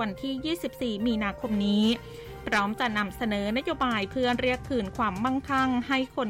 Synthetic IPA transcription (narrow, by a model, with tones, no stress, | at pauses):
a˧nt̪ʰiː˥˩jiː˥˩si˨˩p̚siː˨˩miː˧naː˧kʰo˧mniː˦˥ | pʰɾɔː˦˥mt͡ɕa˨˩ʔna˧msa˧nɤː˩˦na˦˥joː˧baː˧jpʰɯ˥˩ənɾi˥˩əkʰːɯː˨˩nkʰwaː˧mːa˥˩ŋkʰa˥˩ŋha˥˩jkʰo˧n